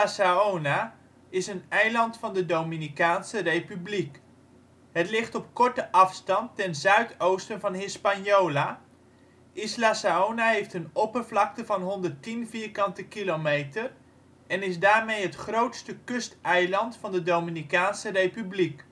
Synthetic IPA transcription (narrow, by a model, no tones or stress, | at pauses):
asaowna | ɪsənɛjlɑntfɑndədominikaːnsərejpyblik | ɦətlɪχtɔp̚kɔɹtəʔɑfstɑntɛnzœɥtowstənvɑnɦɪspanjowla | ʔɪslasaownaɦejftənopərvlɑk̚təvɑnɦɔndərtinviːɹkɑntəkilomejtər | ɛnɪzdaːɹmejɦətχrowtstəkɵstɛjlɑntfɑndədowminikaːnsərejpyblik